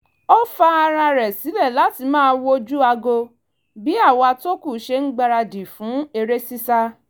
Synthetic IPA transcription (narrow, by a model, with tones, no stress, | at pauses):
ɔ˦fa˦a˧ɾ̃ã˧ɾɛ˨si˨˦lɛ˦˨la˨˦ti˧mãː˦˧˦wo˦d͡ʒu˦a˧ɡo˧ | bi˨˦a˦˨wa˧to˦ku˦˨˦ʃe˧n̩˦ɡ͡ba˧ɾa˧di˨fũ˨˦e˧ɾe˦si˦sa˦